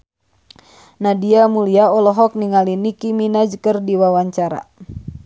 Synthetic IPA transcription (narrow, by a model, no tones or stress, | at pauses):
nadiamuliaɔlɔɦɔk̚niŋalinikiminad͡ʒəkərdiwawaɲt͡ʃaɾa̰